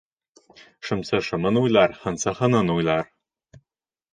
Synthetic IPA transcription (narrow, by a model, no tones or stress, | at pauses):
ʃɤ̆msɤʃɤ̆mɤ̆nujlˠɑɾhɤ̆nsɤ̆χɤ̆nɤ̆nujlˠɑɾ